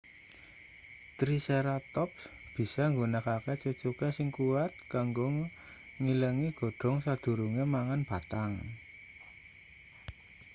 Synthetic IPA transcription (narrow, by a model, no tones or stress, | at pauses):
t̪ɾiseɾat̪ɔp̚ | b̥i̤sɔŋɡunəkaket͡ʃut͡ʃukesɪŋkuwat̪̚kaŋɡo | ŋiləŋiɡ̥o̤ɖ̥ɔ̤ŋsad̪̥ṳɾuŋemaŋanb̥a̤t̪aŋ